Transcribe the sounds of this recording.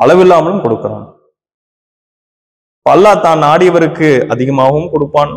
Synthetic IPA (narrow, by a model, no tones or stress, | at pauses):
ʔɐɭɐʋɪlːaːmɐlɯmkɔɽɯkːɯɾa̰ːn | pɐlːaːt̪aːnnaːɽɪjɐʋɐɾɯkːɯɐðɪɣɐmaːɣɐʋɯmkɔɽɯpːaːn